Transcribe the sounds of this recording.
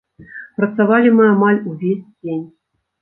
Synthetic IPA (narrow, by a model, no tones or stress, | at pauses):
pɾɐt̪savalʲimɨamalʲuvʲesʲd͡zʲenʲ